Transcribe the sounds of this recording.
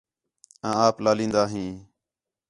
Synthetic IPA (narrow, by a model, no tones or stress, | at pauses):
ãːaːplaːlĩːnd̪aːɦĩː